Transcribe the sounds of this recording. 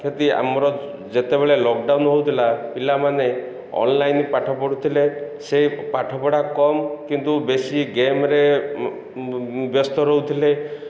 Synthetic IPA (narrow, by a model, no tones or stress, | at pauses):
kʰet̪ia̰mɔɾɔ | d͡ʒet̪ebeɭelɔk̚ɖawnɦowt̪ʰilapilamane | ɔ̰nlajnpaʈʰɔpɔɽut̪ʰilesepaʈʰɔpɔɽakɔmkint̪ubesiɡemɾe | bjɔst̪ɔɾɔut̪ʰile